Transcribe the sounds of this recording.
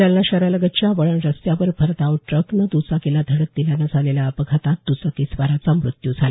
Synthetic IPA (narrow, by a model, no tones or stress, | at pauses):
alnaɕaɾaləɡət͡ɕjaʋəɭəɳɾəsjaʋəɾfʰəɾt̪aʋʈɾəknəd̪ut͡sakelad̪ʱəɽək̚t̪ilanad͡zʱaleljaəpəɡʰʱat̪at̪̚d̪ut͡sakisʋaɾat͡samɾut̪jud͡zʱal